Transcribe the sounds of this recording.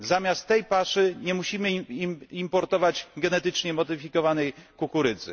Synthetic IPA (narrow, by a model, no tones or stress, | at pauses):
zamʲjast̪ːɛjpaʂɘɲɛmuɕimɘimimpɔɾt̪ɔvad͡ʑɡɛnɛt̪ɘt͡ʂɲɛmɔd̪ɘfʲikɔvanɛjkukuɾɘd̪zɘ̰